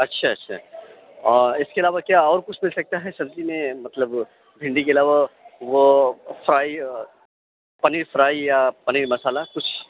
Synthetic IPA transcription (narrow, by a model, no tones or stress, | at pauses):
ɐtːʃʰaɐtːʃʰa̰ | ɔɾɪskeɐlaːʋakjaɔːɾkʊt͡ʃʰmɪlsɐk̚t̪aɦɛsɐ̃nt̪imẽmɐt̪ləb | bʱɪ̃ɳɖikeɐlaːʋaʋofʰɾaːi | pɐniɾfʰɾaːijapɐniɾmɐsaːlakʊt͡ʃʰ